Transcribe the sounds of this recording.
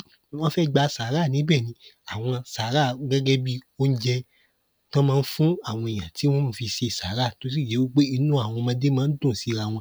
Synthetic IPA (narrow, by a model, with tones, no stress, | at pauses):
w̃ɔ̃˦fɛ˦ɡ͡ba˧saː˨˦ɾa˦˨nĩ˨˦bɛ˦˨nĩ˨˦ | a˨w̃ɔ̃˧sa˨˦ɾa˦˨ɡɛ˦ɡɛ˦bi˦o˦n̩˦d͡ʒɛ˧ | tɔ̃˦mãː˧n̩˦fũ˦a˦˨w̃ɔ̃˧e˨j̃ã˨ti˨˦w̃ɔ̃˦mũ˧fi˧ʃe˧i˨sa̰˨˦ɾa˦˨to˨˦si˦˨d͡ʒe˨˦wu˦k͡pe˦i˧nũ˦a˦˨w̃ɔ̃˧mã˧˦de˦mãː˦n̩˦dõ˦˨si˨˦ɾa˧˨w̃ɔ̃˧